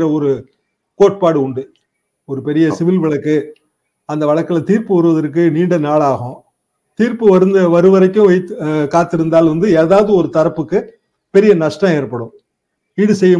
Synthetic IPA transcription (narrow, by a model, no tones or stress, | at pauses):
ɾɐɔɾɯ | koːʈ̚paːɽɯʊɳɖɯ | ɔɾɯpɛɾɪjɐsɪʋɪlʋɪɭɐkːɯ | ɐnd̪ɐʋɐɭɐkːɪlɐt̪iːɾpɯʋɐɾɯʋɐðɐɾkːɯniːɳɖɐnaːɭaːɣʊ̃ | t̪iːɾpɯʋɐɾɯnd̪ɐʋɐɾɯʋɐɾɐkːʊ̃ʋɐɪt̪ːɯkaːt̪ːɪɾɯnd̪aːlʋɐnd̪ɯeːðaːʋɐðɯɔɾɯt̪ɐɾɐpːɯkːɯ | pɛɾɪjɐnɐʂʈãeːɾpːɐɽɯ̃ | ɪɽɯsɛjːɐ